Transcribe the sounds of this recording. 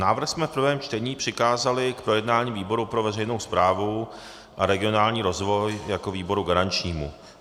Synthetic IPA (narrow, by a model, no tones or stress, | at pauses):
naːvɾ̩xsmɛfpr̩vɛːmt͡ʃt̪ɛɲiːpr̝̥ɪkaːzalɪkpɾo̞jɛdnaːɲiːviːbo̞ɾupɾo̞vɛrɛjnowspɾaːvu | ʔaɾɛɡɪo̞naːlɲiːɾo̞zvo̞jjako̞viːbo̞ɾuɡaɾant͡ʃɲiːmṵ